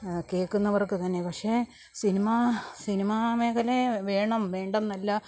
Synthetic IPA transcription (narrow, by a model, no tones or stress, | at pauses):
keːkːunːɐʋɐrkːɨt̪ɐnːe̞pɐkʂe̞ | sinimɐsinimɐmeːkɐleʋeːɳɐmʋe̞ːɳɖɐmnɐlːɐ